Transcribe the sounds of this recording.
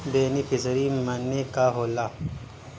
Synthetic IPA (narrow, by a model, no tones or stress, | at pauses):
d̪eːnipisɾimənːekaɦoːla